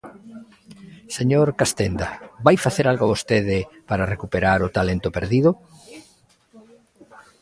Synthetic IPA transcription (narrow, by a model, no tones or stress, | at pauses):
seɲoɾkast̪end̪abajfaθeɾalɣoaβost̪eðɪpaɾarekupeɾaɾʊt̪alent̪ʊpeɾðiðʊ